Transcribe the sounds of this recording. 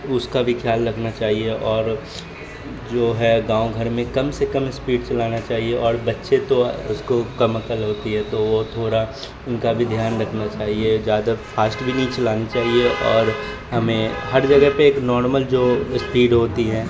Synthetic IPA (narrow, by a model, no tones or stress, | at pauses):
ʊskabʱikʰjaːlːɐkʰnat͡ʃaːɦieʔɔːɾ | d͡ʒoːɦɛɡãːõɡʱɐɾmẽkɐmsekɐmɪspiːɖt͡ʃɐlaːnat͡ʃaːɦieʔɔːɾbɐtːʃet̪oʊ̰skokɐmɐkəlɦoːt̪iɦɛt̪oʋot̪ʰoːɾa | ʊnkabʱid̪ʱjaːnɾɐkʰnat͡ʃaːɦied͡ʒjaːd̪afʰaːsʈbʱinĩt͡ʃɐlaːnit͡ʃaːɦieʔɔːɾ | ɦɐmẽɦɐɾd͡ʒɐɡəɦpeeːknɔːɾməld͡ʒoːɪspiːɖɦoːt̪iɦɛː